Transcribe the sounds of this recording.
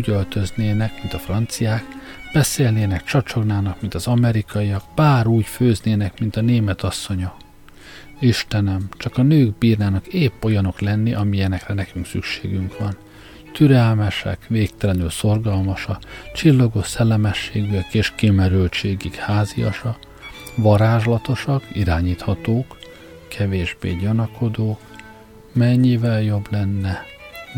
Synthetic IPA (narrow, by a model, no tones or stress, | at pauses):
uːɟølt̪ø̞zneːnɛkmint̪ɒfrɒnt̪sijaːk | b̥ɛseːlneːnɛkt͡ʃɒt͡ʃo̞ɡnaːnɒkmint̪ɒzɒmɛɾikɒijɒɡbaːɾuːcføːzneːnɛkmint̪ɒneːmɛt̪ɒsːo̞ɲɒ | iʃt̪ɛnɛmt͡ʃɒkɒnøːɡbiːrnaːnɒkeːpːo̞jɒno̞klɛnːiʔɒmiɛnɛkrɛnɛkyŋksy̰kʃeːɡyŋkʋɒn | t̪yɾɛlmɛʃɛ̰kʋeːkt̪ɛlɛnylso̞rɡɒlmɒʃɒt͡ʃilːoɡosɛlːɛmɛʃːeːɡyɛkeːʃkimɛɾylt͡ʃeːɡikhaːzḭjɒ̰ʃɒ | ʋɒɾaːʒlɒt̪o̞ʃɒkiɾaːɲiːt̪hɒt̪oːk | kʰɛveːʒbḛːɟɒnɒkʰo̞d̪oːk | mɛɲːivɛljo̞blɛnːɛ